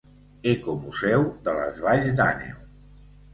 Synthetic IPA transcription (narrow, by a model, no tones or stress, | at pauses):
ekomuzɛwd̪ələ̰zβaʎzd̪a̰nḛw